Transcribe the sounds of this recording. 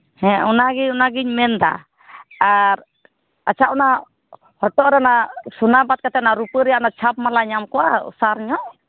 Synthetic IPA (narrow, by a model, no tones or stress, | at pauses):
hɛ̃ɔnaɡiɲɔnaɡiɲmɛnd̪a̰ | aɾ | at͡ʃʰaʔɔna | hɔʈɔʔɾɛnasunabat̪̚kat̪ɛnaɾupəɾɛjaʔnat͡ʃʰap̚malaɲamkɔwa̰saɾɲɔʔ